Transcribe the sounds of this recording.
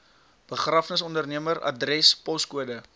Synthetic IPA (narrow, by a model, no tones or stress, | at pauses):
b̥əχrafnəsɔndərniəməɾɐ̰drɛspɔskuədə